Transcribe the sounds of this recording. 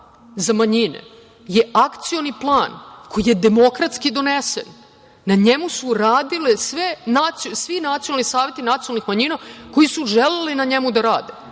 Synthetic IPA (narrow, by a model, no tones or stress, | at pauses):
zamaɲinḛ | je̞akt̪sioniplˠaːnkʰo̞jije̞d̪e̞mo̞kɾat̪skid̪o̞nesḛnː | aɲemusuɾaːd̪ilesʋenat̪ssʋinat̪ionalˠnisaːʋje̞t̪inat̪ionalnixmaɲinako̞jisuʒelelinaɲemud̪aɾaːd̪e